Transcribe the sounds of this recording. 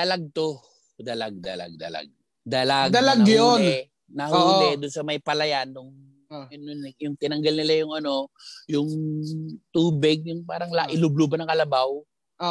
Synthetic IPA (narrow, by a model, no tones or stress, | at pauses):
ɐlaɡ̚t̪o | d̪ɐlaɡ̚d̪ɐ̰la̰ɡ̚d̪ɐ̰la̰ɡ̚ | d̪ɐlaɡd̪ɐlɐɡjon | nɐhulɛd̪ʊnsɐmɐjpɐlɐjanːʊŋ | ɐnonjʊŋt̪ɪnɐŋɡɐlnɪlajʊŋɐno̞jʊŋ | t̪uːbɪɡ̚jʊŋpaːɾɐŋlaʔɪlʊblubɐnɐŋkɐlɐbaw